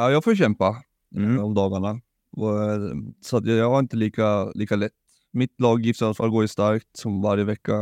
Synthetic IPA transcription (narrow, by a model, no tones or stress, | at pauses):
ajɑːɡfoːɕɛmpa | ɔmd̪ɑːɡaɳa | sɔat̪jɑjɑːɡhaɾɪnt̪əliːkaliːkalɛt̪ː | mɪt̪lɑːɡjɪft̪əɾalfɔɾɡoːɪst̪aɾkt̪sɔmvaɾjəvɛkːa